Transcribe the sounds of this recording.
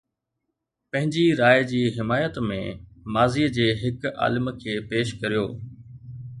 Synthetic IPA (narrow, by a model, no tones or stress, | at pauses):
pɐ̃ɦɪ̃ɲd͡ʑiɾaːɪd͡ʑiːɦɪmaːjət̪mḛ̃maːzid͡ʑeːɦɪka̰ːlɪmkʰeːpeːʃkɐɾijoː